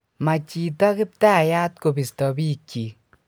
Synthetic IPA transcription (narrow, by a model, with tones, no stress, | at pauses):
ma˨t͡ʃi˨tɔ˦kɪ˦p̚ta˦˨ja˦tko˨bi˨stɔ˨bi˦kːi˨